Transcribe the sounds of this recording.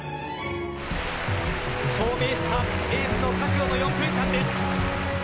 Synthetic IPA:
soːɡe̞ːɕi̥t̪aeːmɯno̞kʰaŋɡʲoːnojõmbɯ̟̃ŋkãnd̪es

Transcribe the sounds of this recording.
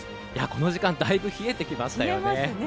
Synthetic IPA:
ja̰ko̞no̞ʑikãnd̪aibɯ̟çie̞t̪e̞kʲimaɕi̥t̪ajone

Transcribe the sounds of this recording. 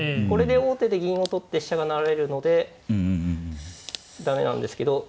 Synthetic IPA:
ko̞ɾe̞d̪e̞o̞ːt̪e̞d̪e̞ɡʲĩɰ̃o̞t̪o̞t̪ːeɕi̥ɕaɡanaɾaɾe̞ɾɯ̟no̞d̪e̞ | d̪ame̞̰nã̰nd̪e̞sɨ̥ke̞d̪o̞

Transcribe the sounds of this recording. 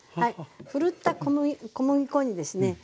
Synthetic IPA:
haiɸɯ̟ɾɯ̟t̪ːakomɯikomɯ̟ɡʲikõ̞ɲ̟id̪e̞sɨne̞

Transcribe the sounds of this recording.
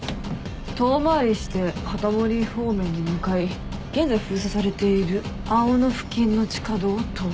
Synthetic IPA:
t̪o̞ːmaːɾʲiɕi̥t̪e̞hat̪amo̞ɾʲiɸo̞ːmẽ̞ɲ̟ːimɯ̟kai | ɡ̥ẽ̞nd͡zajɸɯ̟ːsasaɾe̞t̪e̞iɾɯ̟ | aonoɸɯ̟̥kʲĩnːo̞t͡ɕi̥kad̪o̞ːt̪o

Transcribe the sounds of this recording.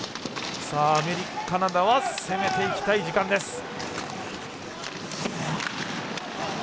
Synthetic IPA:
saːmeɾʲikkanad̪aβase̞me̞t̪e̞ikʲi̥t̪aid͡ʑikãnd̪e̞sɨ̥

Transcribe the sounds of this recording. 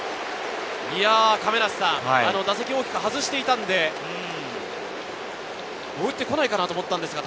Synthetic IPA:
iakame̞ɾassãŋhaano̞d̪ase̞kʲio̞ːkʲi̥kaɦazɨɕi̥t̪e̞it̪ãnd̪e̞ | ɯ̃ | oːɯit̪ːe̞ko̞naikanat̪o̞mot̪ːãnd̪esɨɡat̪

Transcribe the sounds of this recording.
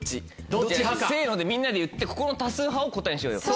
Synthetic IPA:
i | d̪se̞ːno̞d̪e̞mʲĩnːad̪e̞jɯ̟t̪ːe̞ko̞ko̞not̪asɨːɦaoko̞t̪ẽɕijoːjo̰

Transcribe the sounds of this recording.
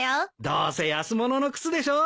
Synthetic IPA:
jod̪o̰ːsejasɨmo̞no̞nokɯ̟̥t͡sɨd̪e̞ɕoː

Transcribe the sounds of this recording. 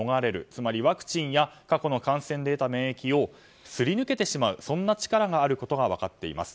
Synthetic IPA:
oɡaɾe̞ɾɯ̟̰t͡sɨmaɾʲiβakɯ̟̥t͡ɕĩɰ̃jakako̞no̞kãɰ̃sẽ̞nd̪e̞ːt̪ame̞ːekʲio̞ | sɨɾʲinɯ̟ke̞t̪e̞ɕimaɯ̟sõ̞nːat͡ɕi̥kaɾaɡaːɾɯ̟ko̞t̪o̞ɡaβ̞akat̪ːe̞ḭma̰sɨ̥

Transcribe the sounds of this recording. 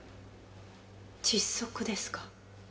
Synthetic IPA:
t͡ɕisːo̞kɯ̟d̪e̞sɨ̥kḁ

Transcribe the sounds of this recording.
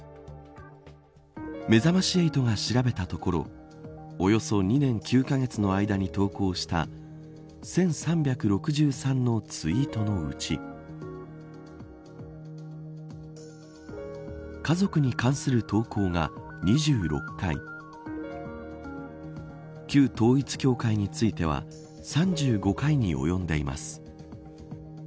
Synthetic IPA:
me̞zamaɕieit̪o̞ŋaɕiɾabe̞t̪at̪o̞ko̞ɾo̞̰ | ojo̞so̞ɲ̟inẽ̞ŋkʲʰɨːkaɡe̞t͡sɨno̞aid̪aɲ̟it̪o̞ːko̞ːɕi̥t̪a̰ | sẽ̞ɰ̃sãmbʲjakɯ̟ɾo̞kɯ̟ʑɨːsãnnːo̞t͡sɨit̪o̞no̞ɯ̟̰t͡ɕḭ | kazo̞kɯ̟ɲ̟ikãɰ̃sɨɾɯ̟t̪o̞ːkʰo̞ːŋa̰ | ɲ̟iʑɨːɾo̞̰kːaḭ | kʲɨːt̪o̞ːit͡sɨ̥kʲo̞ːkaiɲ̟it͡sɨit̪e̞β̞a̰ | sãɲ̟d͡ʑɨːɡo̞kaiɲ̟ḭʔo̞̰jõ̞nd̪e̞ima̰sɨ̥

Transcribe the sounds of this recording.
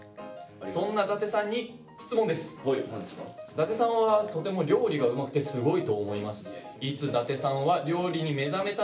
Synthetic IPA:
sõ̞nːad̪at̪e̞sãɲ̟ːi | çi̥t͡sɨmõnd̪e̞sɨ̥ | d̪at̪e̞sãɰ̃βat̪o̞t̪e̞mo̞ɾʲo̞ːɾʲiɡaɯ̟makɯ̟t̪e̞sɨɡo̞it̪o̞ːmo̞imasɨ̥ | it͡sɨd̪at̪e̞sãɰ̃βaɾʲo̞ːɾʲiɲ̟ime̞zame̞t̪a

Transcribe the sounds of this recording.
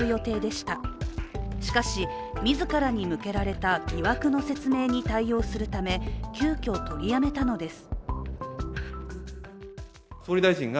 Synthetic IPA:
ɯjo̞t̪e̞ːd̪e̞ɕi̥t̪a | ɕi̥kaɕi | mʲizɨkaɾaɲ̟imɯ̟ke̞ɾaɾe̞t̪aɡʲiβakɯ̟no̞se̞t͡sɨme̞ːɲ̟it̪aijo̞ːsɨɾɯ̟t̪ame̞kʲɨːkʲo̞ːt̪o̞ɾʲijame̞t̪ano̞d̪e̞sɨ̥ | soːɾʲid̪aiʑĩŋɡa

